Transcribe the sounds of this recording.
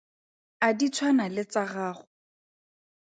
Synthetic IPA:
adit͡sʰwanalɪt͡saɣaːχʊ

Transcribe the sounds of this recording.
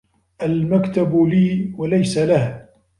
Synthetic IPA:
ʔalmakt̪abliːwalajsalah

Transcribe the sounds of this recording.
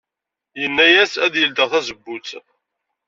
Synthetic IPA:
jənːæjæsæðjəld̪əʁθæzəbːut͡s

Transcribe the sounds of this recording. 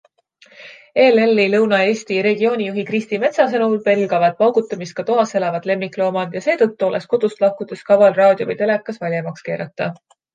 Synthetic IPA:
e̞ːlelːilɤwnɑe̞ːsʲt̪iɾe̞ɡio̞ːnʲijuɦikrist̪ime̞t̪sɑs̬enulpe̞lɡɑvɑd̪̥̚pɑwɡ̥ut̪ˑːɑmist̪kɑt̪oɦɑse̞lɑvɑd̪̥le̞mːikˑlo̞ːmɑd̪jɑse̞ːt̪ɤt̪ːuo̞lḛsko̞d̪̥ust̪lɑhkud̪̥e̞skɑvɑlrɑːd̪̥ʲjovijt̪e̞le̞kːˑɑsvɑlʲjɑmɑkske̞ːɾɑt̪ːˑɑ

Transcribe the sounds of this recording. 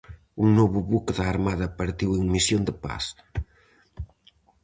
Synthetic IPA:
uŋnoβuβukðaːɾmaðɐpɐɾt̪iweŋmisjond̪əpa̰s

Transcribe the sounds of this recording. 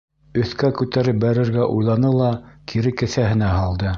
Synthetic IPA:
ɵ̆θkækʉt̪æɾɘp̚bæɾɘ̆ɾɡæʔujlˠɑnɤlˠɑkʰiɾɘkɘ̆θæɦɘ̆næɦɑlˠd̪ɤ

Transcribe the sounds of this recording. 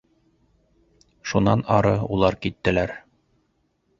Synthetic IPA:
ʃunɑnɑɾɤulˠɑɾkit̪ːɘ̆læɾ

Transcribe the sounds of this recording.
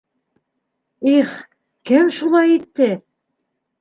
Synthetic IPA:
iχ | kɘmʃulˠɑjit̪ːɘ

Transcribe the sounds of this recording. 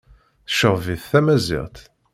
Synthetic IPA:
θə̥ʃəʁviθθæmæzḭʁt̪

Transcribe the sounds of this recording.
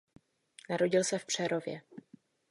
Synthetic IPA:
naɾo̞ɟɪlsɛfpr̝̥ɛɾo̞vjɛ̰

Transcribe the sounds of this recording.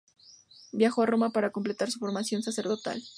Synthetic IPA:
bjaxoaro̞mapaɾakomple̞t̪aɾsufo̞ɾmasjo̞nsase̞ɾðo̞t̪a̰l

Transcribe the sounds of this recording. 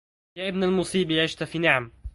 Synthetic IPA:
jaːʔɪbnalmʊsˤiːbiʕɪʃt̪ʊfiːnɪʕam

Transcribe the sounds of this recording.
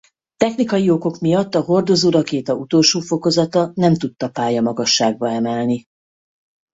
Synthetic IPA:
t̪ɛxnikɒjio̞ko̞kmijɒt̪ːɒɦo̞rd̪o̞zoːɾɒkeːt̪ɒut̪olʃoːfo̞ko̞zɒt̪ɒnɛmt̪ut̪ːɒpaːjɒmɒɡɒʃːaːɡ̚bɒɛmɛlni

